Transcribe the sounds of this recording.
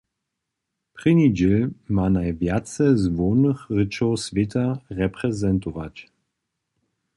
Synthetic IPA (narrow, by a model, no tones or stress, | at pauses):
pʁ̥ɨnid͡ʑelmanajvjat̪t͡sɛzvɔːnəxʁət͡ʃɔwsvʲet̪aʁɛpʁɛzɛnt̪ɔva̰t͡ɕ